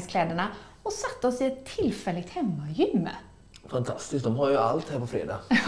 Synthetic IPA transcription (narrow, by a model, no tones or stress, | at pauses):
skʰlɛːd̪əɳa | ɔsat̪ːəɔsɪɛt̪ʰːɪlːfɛlːɪɡ̚t̪hɛmːajʏmːə̰ | fant̪ʰast̪ɪskt̚d̪ɔmɦaɾjɵalt̪hæːɾpɔfɾḛːd̪a̰ː